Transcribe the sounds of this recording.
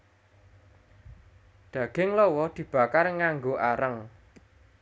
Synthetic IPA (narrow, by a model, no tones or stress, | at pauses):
d̪̥ä̤ɡ̥ɪŋlɔwɔd̪̥i̤b̥ä̤karŋaŋɡoʔaɾəŋ